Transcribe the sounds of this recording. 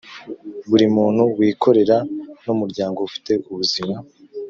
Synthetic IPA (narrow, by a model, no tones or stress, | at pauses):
βuɾimuːn̥huwiːkʰo̞ɾe̞ɾanumuɾɟaːŋɡo̞ufi̥te̞ʔuβuzima